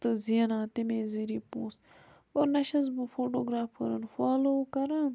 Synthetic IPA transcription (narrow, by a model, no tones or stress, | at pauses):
t̪ɨzinaːt̪imeːziɾiːpũːs | oːɾnɐʃɐz̬bɨfoːʈoːɡɾaːfkɐɾɐnfaːlokɐɾan